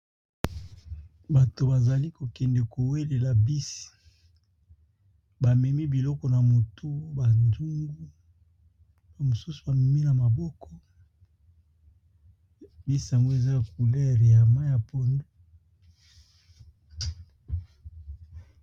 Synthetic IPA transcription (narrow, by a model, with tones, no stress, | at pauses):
ba˨to˨ba˨za˨li˦ko˨kɛ˨ndɛ˨ko˨we˦le˨la˨bi˦si̥˨ | ba˨mɛ˨mi˦bi˨lɔ˦kɔ˨na˨mo˨tʰu˦ba˨nzu˦ŋɡu˦ | ba˨mo˨su˦su̥˨ba˨mɛ˨mi˦na˨ma˨bɔ˦kʰɔ˦ | bi˦si˨a˨ŋɡo˦e˨za˦a˨ku˨lɛ˦˨ʁi˨a˨ma˦ja˨po˨ndu˦